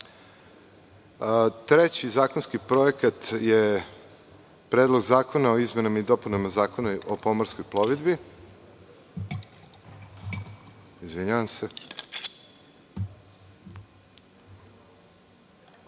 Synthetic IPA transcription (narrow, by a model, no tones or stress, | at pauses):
t̪ɾet͡ɕizaːkonskipɾo̞jekat̪je | pɾeːd̪lˠo̞ɡzaːko̞naoizme̞namaid̪o̞punamazaːko̞naʔopo̞moɾsko̞jplˠoʋid̪bi | izʋiɲaʋamse